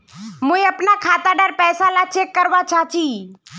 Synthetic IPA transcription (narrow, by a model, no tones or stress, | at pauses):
mũĩəpnakʰaːt̪aɖəɾpɛːsalat͡ʃekːəɾʋat͡ʃat͡ʃʰiː